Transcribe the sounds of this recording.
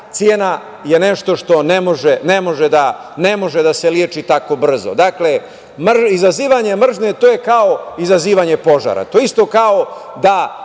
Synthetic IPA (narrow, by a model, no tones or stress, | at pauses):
t̪sjeːna | je̞neʃt̪o̞ʃt̪o̞nemoʒenemo̞ʒed̪a | nemo̞ʒed̪aseljeːt͡ʃit̪ako̞br̩zo̰d̪akle̞ | mrizaziːʋaɲe̞mr̩ʒne̞t̪oːjekaoizaziːʋaɲe̞po̞ʒa̰ɾa̰t̪oist̪o̞kaod̪a